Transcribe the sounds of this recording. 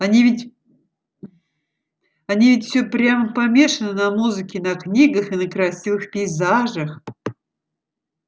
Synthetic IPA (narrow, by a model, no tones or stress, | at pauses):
ɐnʲivʲɪtʲ | ɐnʲivʲɪtʲfsʲɵpɾʲaməpɐmʲe̞ʂənənɐmuzɨkʲɪnɐknʲiɡəxɨnəkɾɐsʲivɨxpʲiːzaʐəx